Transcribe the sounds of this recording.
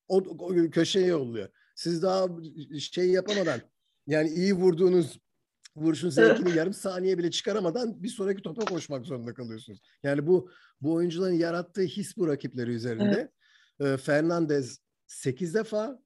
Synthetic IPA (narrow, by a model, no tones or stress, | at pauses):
ocʰø̞ʃejɛolˠːujo̰ | sizd̪aɦa | e̞jijapamad̪an | jaːniijivuɾd̪uːnuz | vuɾuʃ̬unuzecʰinijaɾɯmsaːnijɛbilʲɛt͡ʃʰɯ̥kʰaɾamad̪anbisoːɾacit̪ʰo̞pako̞ʃmakzoɾund̪akʰalˠɯjosunuz̥jaːnibu | buojund͡ʒulˠaɾɯnjaɾat̪ʰːɯːçisbuɾacʰiplʲe̞ɾiyze̞ɾind̪ɛ | ɯːfæɾnʲand̪ɛz | se̞cʰizd̪efaː